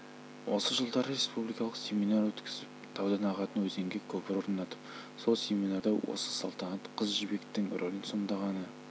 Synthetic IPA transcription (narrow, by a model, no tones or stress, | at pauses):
wʔo̞səʒəlˠd̪ɑɾɾe̞spublijkɑlˠəqsʲe̞minɑɾwɵt̪kʲɪzɪp̚t̪ʰɑwd̪ɑnɑʁɑt̪ənwɵzeŋɡʲekʲʰɵpɪɾoɾənɑt̪əp | so̞lˠsʲe̞minɑɾd̪ɑwo̰sə̥sɑ̰lˠt̪ɑnɑt̪qʰəzʒibe̞kt̪ːɪŋrʔolʲinso̞nd̪ɑʁɑnə